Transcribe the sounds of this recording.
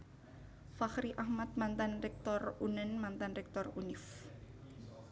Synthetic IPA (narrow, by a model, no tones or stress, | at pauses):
faxɾiʔahmat̪̚mant̪anrɛk̚t̪ɔrunənmant̪anrɛk̚t̪ɔrunɪf